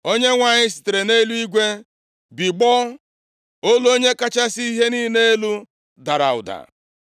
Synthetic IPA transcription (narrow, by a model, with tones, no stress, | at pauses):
o˦ɲe˦ŋʷa˨ɲɪ˦si̥˨te˨ɾe˨ne˦lu˦i˦ɡʷe˦ | bi˨ɡ͡bɔ˦ | o˦lu˦o˦ɲe˦ka˦t͡ʃa˦si˦i˦ɦe˦ni˦ne˦e˦lu˦ | da˨ɾa̰˨ʊ̰˨da̰˨